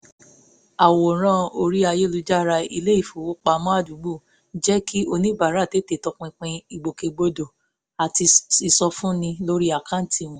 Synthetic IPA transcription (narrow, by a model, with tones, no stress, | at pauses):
a˨wo˨ɾ̃ã˦o˧ɾi˦a˧je˦lu˧d͡ʒa˦ɾa˧ḭ˧le˦i˦˨fu˨wo˦k͡pa˧mɔ̃˦a˦˨du˨˦bu˦˨˦ | d͡ʒɛ˦ki˦o˦˧nĩ˦ba˨ɾa˦˨te˨˦te˨tɔ˧˦k͡pĩ˧k͡pĩ˧i˨ɡ͡bo˨ke˨ɡ͡bo˧do˨ | a˨ti˧i˨sɔ˧fũ˦nĩ˧lo˦ɾi˦a˨kã˦n̩˨tʰi˧˦˨w̃ũ˨